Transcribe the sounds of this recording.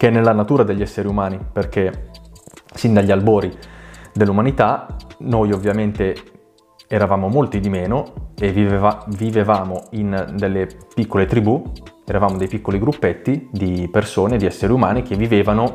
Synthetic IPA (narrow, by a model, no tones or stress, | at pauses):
k̟ɛnːelːanat̪uːɾad̪eʎːiɛsːeɾiumaːniperk̟e | sind̪aʎːialboːɾid̪elːumanit̪anojovːjament̪e | ɛɾavaːmomolt̪id̪imeːnoeviavivevaːmoind̪elːepikːolet̪ɾibuɛɾavaːmod̪ejpikːoliɡɾupːet̪ːid̪ipersoːned̪iɛsːeɾiumaːnik̟evːiveːvano